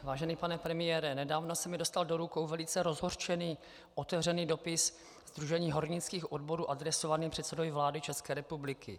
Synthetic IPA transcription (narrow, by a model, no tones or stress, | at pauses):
vaːʒɛniːpanɛpɾɛmɪjɛːɾɛnɛdaːvno̞sɛmɪdo̞st̪aldo̞ɾukowvɛlɪt͡sɛɾo̞zɦo̞rt͡ʃɛniː | ʔo̞t̪ɛvr̝ɛniːdo̞pɪs | zd̪ɾuʒɛɲiːɦo̞ɾɲɪt͡skiːxʔo̞dbo̞ɾuːʔadɾɛsovaniːpr̝̥ɛt̪sɛdovjvlaːdɪt͡ʃɛskɛːɾɛpublɪkɪ̰